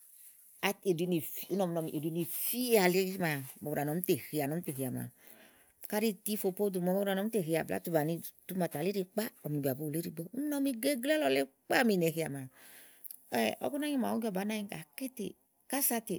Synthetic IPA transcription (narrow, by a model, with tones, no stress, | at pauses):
a˨e˨di˧ni˨fi˦u˦nɔ˨m˧nɔ˧mi˨ʔe˨di˧˦ni˨fi˦a˨le˦ma˨mɔ˨u˧ɾa˨nɔ˨˦m˦te˨hi˨a˨nɔ˨˦te˨ɦi˨a˨ma̰˨ | ka˦ɾi˦ti˦fo˧po˦du˨mɔ˧m˦˧ɾa˧˨nɔ˨˦te˨ɦi˧˨a˨bla̰˦tu˧ba˨ni˧˨tu˦ma˧˨ta˨le˦ɾi˧k͡pa˦ɔ˨m˨ni˨ba˨bo˨˦˨le˨˦ɾi˧bɔ˦u˦nɔ˧mi˧ɡe˦ɡlɛ˦lɔ˧le˦k͡pa˦˨mi˨˧˨nɛ˨ɦi˨a˨ma˨ | ɛ˦˨ʔɔ̰˦kɔ˦na˦ɲi˦ma˨wu˦ɡʲɔ˦˧˨ba˨˦na˦ĩ˦ka̰˨ke˦tḛ˨ | ka˦sa˧te˨